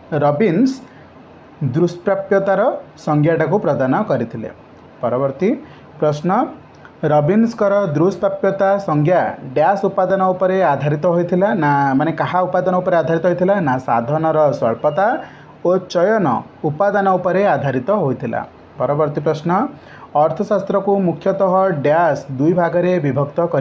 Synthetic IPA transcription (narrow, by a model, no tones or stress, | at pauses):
ɾɔbins | d̪ɾuspɾapjɔt̪aɾɔsɔŋɡʱjaʈakupɾɔd̪anɔkɔɾit̪ʰilḛ | pɔɾɔbɔɾt̪i | pɾɔsnɔ | ɾɔbinskɔɾɔd̪ɾuspɾapjɔt̪asɔŋɡʱjaɖjasupad̪anɔupɔɾead̪ʱaɾit̪ɔɦojt̪ʰilanamanekaɦaupad̪ɔnɔupɔɾead̪ʱaɾit̪ɔɦojt̪ʰilanasad̪ʱɔnɔɾɔsɔɭpɔt̪a | ot͡ʃɔjɔnɔ̰ | upad̪anɔupɔɾead̪ʱaɾit̪ɔɦojt̪ʰila̰ | pɔɾɔbɔɾt̪ipɾɔsnɔː | ɾt̪ʰɔsast̪ɾɔkumukʰːjɔt̪ɔɦɔɖjasd̪ujbʱaɡɔɾebibʱɔkt̪ɔkɔɾi